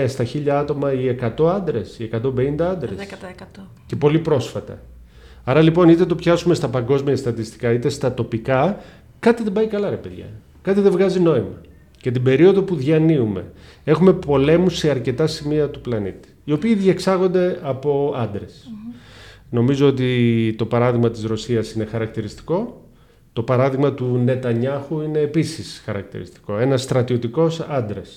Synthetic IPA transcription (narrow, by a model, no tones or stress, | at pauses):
st̪ɐçiʎɐɐt̪o̞mɐie̞kɐt̪o̞ɐnd̪ɾe̞sie̞kɐt̪o̞be̞ind̪ɐɐnd̪ɾsḛs | ce̞po̞lipɾo̞sfɐt̪ɐ̰ | ɐɾɐlipo̞nit̪et̪opçɐsume̞st̪ɐpɐŋɡo̞zmiɐst̪ɐt̪ist̪i̥kɐit̪e̞st̪ɐt̪o̞pikɐ | kɐt̪iðe̞mbɐikɐlɐɾepeðʝɐ̰ | kɐt̪iðe̞vɣɐzino̞imɐ | cet̪̬ibe̞ɾio̞ðo̞puðʝɐniume̞̰ | e̞xume̞po̞le̞muse̞ɐɾce̞t̪ɐsimiɐt̪uplɐnḭt̪i̥io̞piːðʝɐksɐɣo̞nd̪e̞ɐpo̞ɐnd̪ɾe̞s | no̞mizo̞ot̪̬it̪o̞pɐɾɐðiɣmɐt̪izɾo̞siɐsine̞xɐɾɐk̚t̪iɾist̪i̥ko̞ | t̪opɐɾɐðiɣmɐt̪une̞t̪ɐɲɐxuine̞ːpisisxɐɾɐ̰k̚t̪ḭɾḭst̪i̥ko̞e̞nɐsːt̪ɾɐt̪io̞t̪iko̞sɐnd̪ɾes